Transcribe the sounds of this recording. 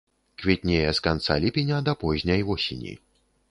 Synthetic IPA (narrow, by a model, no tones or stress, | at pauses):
kvʲɛt̪̚ʲnʲejɛskant̪sa̰lʲipʲenʲɐd̪ɐpɔʑʲnʲɐjvɔsʲḛnʲḭ